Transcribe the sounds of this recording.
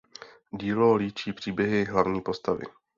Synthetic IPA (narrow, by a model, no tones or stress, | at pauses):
ɟiːloliːt͡ʃiːpr̝̥iːbjɛɦɪɦlavɲiːpo̞st̪avɪ̰